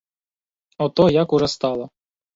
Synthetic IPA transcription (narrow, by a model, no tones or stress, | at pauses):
ɔt̪ɔjakuʐɛst̪ɑlˠɔ